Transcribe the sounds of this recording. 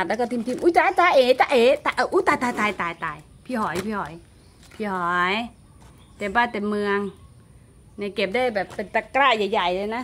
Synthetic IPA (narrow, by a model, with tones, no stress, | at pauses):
t̪̚lɛː˦˥kɔ˥˩t̪ʰi˧˨mt̪ʰi˧˨mʔuː˧˦t͡ɕaː˧˦t͡ɕ̪aː˧ʔeː˨˦t͡ɕ̪aː˧ʔeː˨˦t̪a˧ʔa˧˩ʔuː˦t̪aː˧˩jt̪aː˧jt̪aː˧jt̪aː˨jt̪aː˨˧˨j | pʰiː˧˩hɔː˨˩˦jpʰi˧hɔː˨˩˦j | pʰiː˧˩hɔː˨˩˦j | t̪e˨˧˩nbaː˧˩t̪e˧nmɯ˧əŋ | na˧˩jke˨˩p̚daː˥˩jbɛː˨˩pːe˧nt̪a˧kɾaː˥˩ja˨˩jːa˨˩jlɤː˧jna˦˥